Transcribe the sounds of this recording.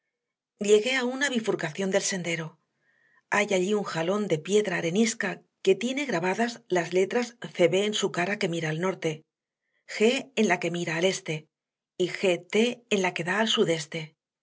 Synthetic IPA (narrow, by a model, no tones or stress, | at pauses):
ʎe̞ɣe̞aunaβ̞ifuɾkaθjo̞nd̪e̞lse̞nd̪e̞ɾo̞ | ajaʎiuŋxalo̞nd̪e̞pje̞ðɾaːɾe̞niska | ke̞t̪je̞ne̞ɣ̞ɾaβaðazlazle̞t̪ɾasθe̞βe̞ːnsukaɾake̞miɾaːlno̞ɾt̪e̞ | xe̞ːnlake̞miɾaːle̞st̪e̞ | ixe̞t̪eːnlake̞ðaːlsuðe̞st̪e̞